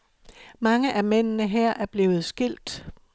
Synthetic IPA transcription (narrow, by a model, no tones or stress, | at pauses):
mɑ̈ŋəʔæmen̰nəɦɛɐ̰ʔæɐb̥le̝ːʊð̞̩ˠsɡ̥il̰d̥